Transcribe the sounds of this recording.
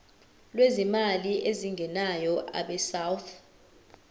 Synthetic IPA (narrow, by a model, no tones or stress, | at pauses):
lwezimaliʔeziŋʱɛnajɔʔa̰ɓɛsawt̪ʰ